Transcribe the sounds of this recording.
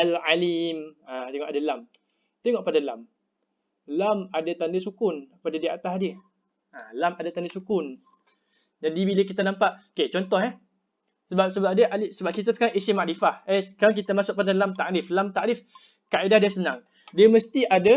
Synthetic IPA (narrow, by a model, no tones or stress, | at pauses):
alalimat̪eŋɔʔadalam | t̪eŋɔʔpadala̰m | lamadat̪andəsukʊnpadadiaʔat̪asdiə | alamadat̪andəsukʊn | d͡ʒadibiləkit̪anãmpaʔoket͡ʃɔnt̪ɔhɛ | səbap̚səbap̚diəʔalisəbap̚kit̪at̪u̥kaŋʔisimaʔdifahɛkalak̬it̪amasʊk̚padalamt̪aʔɾiflamt̪aʔɾif | kaʔidahdiasənãŋ | diəməst̪iada